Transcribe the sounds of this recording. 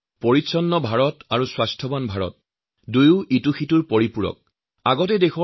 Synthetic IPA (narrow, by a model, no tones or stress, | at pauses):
pɔɹitsɔnːɔbʱaɹɔtaɹuswastʰɔbanbʱaɹɔ̰t̚ | dujʊituxituɹpɔɹipuɹɔ̰k̚ | aɡɔtɛdexɔ